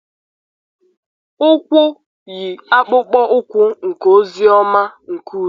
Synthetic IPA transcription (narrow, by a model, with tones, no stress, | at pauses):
kʷʊ˦ | ji˨a˦k͡pʊ˦k͡pɔ˦ʔʊ˦kʷʊ˦ŋ̩˨ko˦zi˦ɔ˦ma˦ŋ̩˨ku˦˨˦